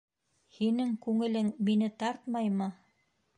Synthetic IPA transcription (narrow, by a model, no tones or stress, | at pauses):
hinɘŋkʉŋɘ̆lɘŋminɘt̪ɑɾt̪mɑjmɤ